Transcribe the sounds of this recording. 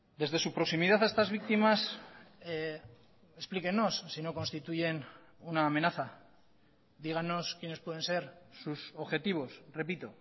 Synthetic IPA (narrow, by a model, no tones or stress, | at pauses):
d̪e̞zðe̞supɾo̞ksimiðaθest̪azβ̞ik̚t̪imas | esplike̞nːo̞sːino̞ko̞nst̪it̪uʝe̞nunaːme̞naθa | d̪iɣ̞anːo̞skjene̞spwe̞ð̞e̞nse̞ɾsuso̞βxe̞t̪iβ̞o̞sre̞pit̪o̞